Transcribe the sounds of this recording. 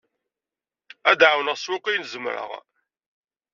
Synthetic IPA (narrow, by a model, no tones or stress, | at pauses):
æd̪ʕawnəʁswʊqijnzəmɾə̰ʁ